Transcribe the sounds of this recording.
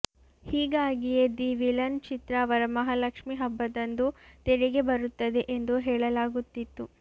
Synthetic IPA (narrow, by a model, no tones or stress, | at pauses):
hiːɡaːɡijed̪iʋilɐnt͡ʃit̪ɾɐːʋɐɾɐmɐɦɐlɐkʂmiɦɐbːɐd̪ɐnd̪ut̪eɽiɡe̞bɐɾut̪ːɐd̪e̞ʔend̪uɦɛːɭɐlaːɡut̪ːit̪ːu